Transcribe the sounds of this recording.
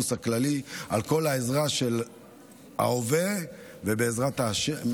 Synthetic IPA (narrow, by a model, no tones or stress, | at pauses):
usaklalialko̞laezʁaʃe̞l | a̰ove | vebeːzʁat̪aʃe